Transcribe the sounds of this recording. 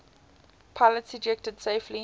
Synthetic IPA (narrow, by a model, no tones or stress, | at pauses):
pʰalətsəd͡ʒɛk̚təd̥seɪflĩ